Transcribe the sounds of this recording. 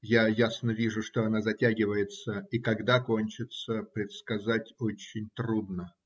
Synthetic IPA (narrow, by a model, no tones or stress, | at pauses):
jajasnəvʲiʐʊʂt̪oɐnazɐtʲaɡʲɪvəjɪt̪səikɐɡd̪akonʲt͡ɕɪt̪səpɾʲɪt̪skɐzatʲot͡ɕːɪnʲt̪ɾud̪nə